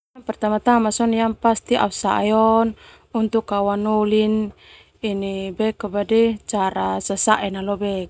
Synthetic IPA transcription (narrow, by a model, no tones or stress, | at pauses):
ampɛrt̪amat̪amasɔnijampast̪iʔa̰fsa̰ʔjɔn | unt̪ukːawanulin | inibɛkəbadɛt͡ʃaɾasəsaʔɛnalɔbɛ